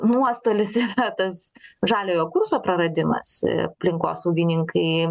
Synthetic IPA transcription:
nuɔst̪oːlʲɪsiːrɐt̪ɐsʒɑːlʲoːjoːkʊrsoːpɾɐɾɐd̪ʲɪmɐ̰sɐ̰pʲlʲɪŋko̰ːsɐʊɡʲɪnʲɪŋkɐɪ

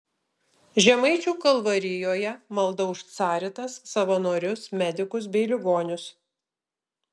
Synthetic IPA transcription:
ʒʲɛmɐɪt͡ʃʲuːkɐlˠʋɐɾʲɪjoːjɛmɐlˠd̪ɐʊʃt̪sɑːɾʲɪt̪ɐsːɐʋɐnoːɾʲʊsmʲɛd̪ʲɪkʊs̬bʲɛɪlʲɪɡoːnʲʊs

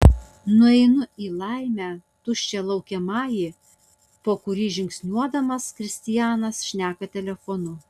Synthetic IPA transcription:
nʊɛɪnʊiːlˠɑɪmʲæːt̪ʊʃʲt͡ʃʲɛlˠɐʊkʲɛmɑːjiː | poːkʊɾʲiːʒʲɪŋʲksʲnʲuɔd̪ɐmɐskɾʲɪsʲt̪ʲɪjæːnɐsʃʲnʲæːkɐt̪ʲɛlʲɛfonʊ

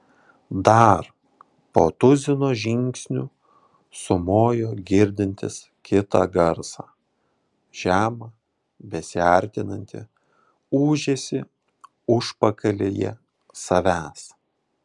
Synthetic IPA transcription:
d̪ɐɾ | poːt̪ʊzʲɪnoːʒʲɪŋʲksʲnʲʊ | sʊmoːjoːɡʲɪɾʲd̪ʲɪnʲt̪ʲɪ̰s | kʲɪt̪ɑ̰ːɡɐɾsɑː | ʒ̥ʲæːmɐ | bʲɛsʲɪɐˑɾʲt̪ʲɪnɐnʲt̪ʲɪ̰ | uːʒʲeːsʲɪ | ʊʃpɐkɐlʲeːjɛ̰ | sɐʋʲæːs

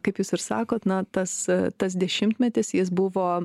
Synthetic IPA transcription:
kɐɪpjuːsɪɾsɑːkoːt̪nɐt̪ɐst̪ɐs̬d̪ʲɛʃʲɪmt̪ʲmʲɛt̪ʲɪsjɪs̬bʊʋoː

